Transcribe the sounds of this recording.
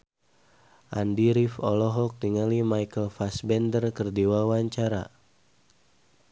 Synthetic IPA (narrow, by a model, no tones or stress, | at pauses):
ʔandiɾifɔlɔɦɔk̚tiŋalimajkəlfasbɛndərkərdiwawaɲt͡ʃaɾa̰